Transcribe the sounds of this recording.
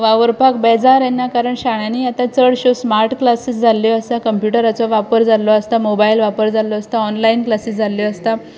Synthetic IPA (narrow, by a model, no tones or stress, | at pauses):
ʋaʋəɾpakbɛd͡zaɾɛnːakaɾəɳɕaɽ̃ãniat̪ãt͡səɽɕosmaɾʈklasisd͡zʱalːɔəst̪akəmpjuʈəɾat͡sɔʋapəɾd͡zalɔəst̪amobailʋapəɾd͡zalɔəst̪aɔnlainklasisd͡zʱalːjɔəst̪a